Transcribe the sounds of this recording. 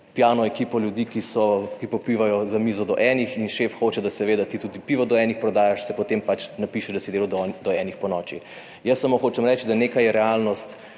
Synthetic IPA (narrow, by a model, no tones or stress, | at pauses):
pjaːnɔɛkiːpɔlʲjud̪ikisɔkipɔpiʋajɔzamiːzɔd̪ɔʔɛːnixinʃeːfxoːt͡ʃɛd̪asɛʋeːd̪at̪it̪uːd̪ipiʋɔd̪ɔɛnixpɾɔd̪aːjaʃsɛpɔt̪empat͡ʃnapiʃɛd̪asid̪eːlud̪ɔɛnixpɔnɔːt͡ʃḭ | jəsːamoxoːt͡ʃɛmɾɛt͡ʃd̪aneːkajɛɾɛalnɔst̪